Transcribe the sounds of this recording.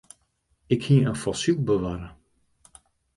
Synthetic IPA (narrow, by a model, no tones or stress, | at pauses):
ɪkhiəənfɔsyk̚bəʋaːɾə